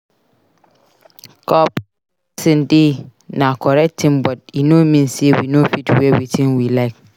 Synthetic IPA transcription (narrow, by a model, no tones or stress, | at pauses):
kʰɔp | sɪ̃ndenãkʰɔɾɛk̚tʰĩmbɔt̚inõmĩnsewinofitwewitʰĩnwilaɪk